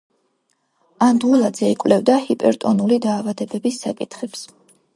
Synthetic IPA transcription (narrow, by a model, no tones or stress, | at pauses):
and̪ulˠad̪zɛikʼwvlɛvd̪ahipʼɛ̰ɾt̪ʼɔnulid̪aːvad̪ɛbɛbisːakʼit̪ʰχɛps